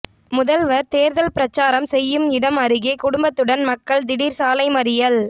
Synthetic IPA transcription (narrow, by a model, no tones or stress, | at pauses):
mʊðɐlʋɐɾt̪eːɾðɐlpɪɾɐt͡ʃːaːɾɐmsɛjːɯmɪɽɐmɐɾɯɣeːkʊɽʊmbɐt̪ːɯɽɐnmɐkːɐɭd̪ɪɽiːɾsaːlɐɪmɐɾɪjɐl